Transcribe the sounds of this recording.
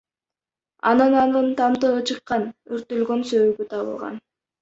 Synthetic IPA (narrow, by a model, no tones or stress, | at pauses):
ɑ̰nɯnɑnɯnt̪ʰɑmt̪ɯɯt͡ʃʰɯqːɑnyɾt̪ylɡø̞nsøβyɡyt̪ʰɑβɯ̰lˠʁɑ̰n